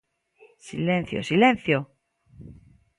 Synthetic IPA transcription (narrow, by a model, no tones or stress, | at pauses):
silẽn̟θjo̰silẽnθjo